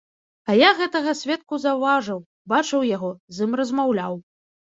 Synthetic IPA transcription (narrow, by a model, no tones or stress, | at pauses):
ajaɣɛt̪ɐɣɐsʲvʲɛt̪̚kuzɐvaʐɨw | bat͡ʂɨwjaɣɔzɨmrɐzmawlʲaw